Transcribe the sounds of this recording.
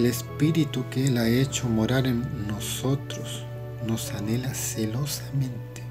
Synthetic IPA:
elespiɾit̪ukelaet͡ʃomoɾaɾenːosot̪ɾos | nosanelaselosamẽnt̪e̥

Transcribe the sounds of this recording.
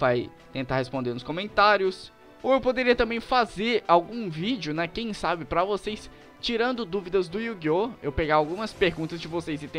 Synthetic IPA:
vaj | t̪ẽnt̪aɾhespõnd̪eɾnʊskõmẽnt̪aɾjʊs | oewpod̪eɾiɐt̪ɐ̃mbẽj̃fazeɾawɡũvid͡ʒjʊnɐkẽj̃sabɪpɾɐvosejs | t͡ʃiɾɐ̃nd̪ʊd̪uvid̪ɐzd̪ʊjuɡioewpeɡajawɡũmɐspeɾɡũnt̪ɐzd͡ʒɪvosejzɪt̪ẽ

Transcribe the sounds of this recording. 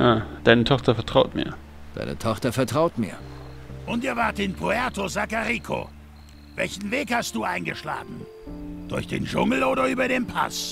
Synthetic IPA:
jaːd̥aɪnətʰɔχtɐfɛɐtʁ̥aʊtmḭːɐ | d̥a̰ɪnʔə̰tʰɔχtɐfɛɐtʁ̥aʊtmiːɐʔʊntiːɐvaːɐtɪnpʁoɛɐtozakaʁiːkʰo̰ | vɛ̰lçn̩veːkhast̚d̥uːaɪnɡəʃla̰ːɡŋ̩ | d̥ʊɐçd̥ḛːnd͡ʒʊ̰ŋl̩oːɾɐyːbɐdeːnpʰa̰s

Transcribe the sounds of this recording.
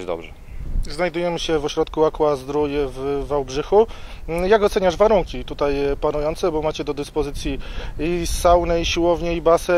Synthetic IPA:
d̪ɔ̰bʐɛ | znajd̪ujɛmɘɕɛvɔɕɾɔt̪kuakwazd̪ɾujɛvvawbʐɘxujaɡɔt̪sɛɲaʐvaɾuŋkʲit̪ut̪ajpanujɔnt̪sɛbɔmat͡ɕɛd̪ɔd̪ɘspɔzɘt̪sʲjiisawnɛiɕiwɔvɲɛibasɛ

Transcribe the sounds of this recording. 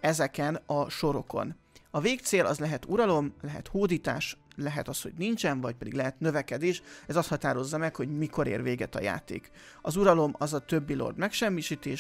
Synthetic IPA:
ɛzɛkɛnɒʃo̞ɾo̞ko̞̰n | ɒveːk̚t̪seːlɒ̰zlɛɦɛt̪uɾɒlo̞mlɛɦɛ̰t̪hoːd̪iːt̪a̰ːʃlɛɦɛt̪ɒsho̞̰ɟnint͡ʃɛnvɒc̚pɛd̪ḭɡlɛɦɛt̪nø̞vɛkɛd̪eːʃɛzɒst̪hɒt̪aːɾo̞zːɒmɛkho̞ɟmiko̞ɾḛːrveːɡɛt̪ɒ̰ja̰ːt̪ḛːk | ɒzuɾɒlo̞mɒzɒt̪øbːilo̰rd̪mɛkʃɛmːiːʃiːt̪eːʃ

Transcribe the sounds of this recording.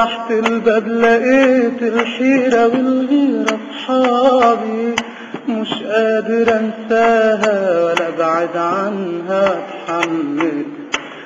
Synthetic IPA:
aħt̪ɪlbablaʔeːt̪ɪlħiːɾawɪlhiːɾɑsˤħɑːbi | mʊʃʔaːd̪ɪɾansaːɦawalːabaʕɪd̪ʕanɦat̪ħamːɪl

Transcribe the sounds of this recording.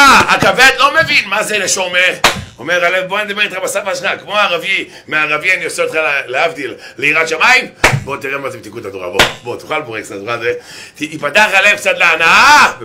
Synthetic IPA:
aakaved̪lo̞mevinmazeneʃomeomeʁalevboned̪abeit̪χabasaʁvaaʃχakmoaʁavi | meaʁavianioseot̪χaleavd̪ilːeiʁat̪ʃamaimbo̞t̪iʁemazebet̪ikut̪ad̪oʁa̰bobot̪u̥χalboʁektad̪oʁazetiːpat̪aχaleevkt͡sat̪leanaa

